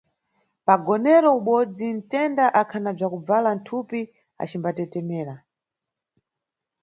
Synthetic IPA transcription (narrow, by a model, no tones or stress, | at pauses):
paɡɔnɛɾɔuɓɔd͡zin̩tɛndaʔakʰanab͡ʐakub͡valan̩tʰupi | a̰t͡ʃimbatɛtɛmɛːɾa